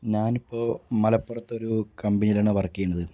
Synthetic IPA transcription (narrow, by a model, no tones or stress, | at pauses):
ɲaːnipːo̞ːmɐlɐpːurɐt̪ːo̞ɾukɐmbiɲilaːɳːɨpɐrɐkːijeɳɖɐðɨ